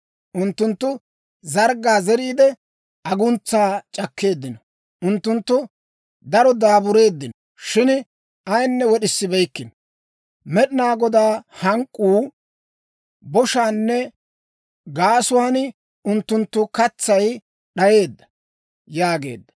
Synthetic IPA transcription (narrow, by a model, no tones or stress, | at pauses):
ʔʊnt̪ːʊnt̪ːʊ | zɐɾɡaːzɛɾiːd̪ɛ | ʔɐɡʊnt͡sːaːt͡ʃʼɐkːe̞ːd̪ːɪnɔ | ʊnt̪ːʊnt̪ːʊ | d̪ɐɾɔd̪aːbʊɾe̞ːd̪ːɪnɔ | ʃɪn | ɐjnːɛwɔɗɪsːɪbɛjkːɪnɔ | mɛɗɪnaːɡɔd̪aːhɐŋkʼːuː | bɔʃaːnːɛ | ɡaːsʊwaːn | ʊnt̪ːʊnt̪ːʊkɐt͡sːɐj | ɗɐje̞ːd̪ːɐ̥ | jaːɡe̞̰ːd̪ːɐ